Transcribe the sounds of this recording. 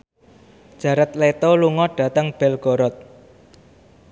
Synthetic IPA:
ʒ̥ä̤ɾət̪let̪oluŋɔɖ̥ä̤t̪əŋb̥ɛlɡ̥ɔ̤ɾɔt̪̚

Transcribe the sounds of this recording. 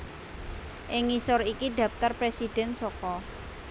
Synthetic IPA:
ʔɪŋːisʊrikiɖ̪ä̤ft̪ərpɾesid̪̥ɛ̤nsɔkɔ

